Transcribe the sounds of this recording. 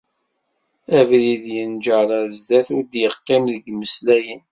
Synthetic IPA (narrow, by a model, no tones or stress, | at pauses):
ævliðjənd͡ʒəɾazd̪æθʊɾd̪jəqːɪmðəɡməslæjən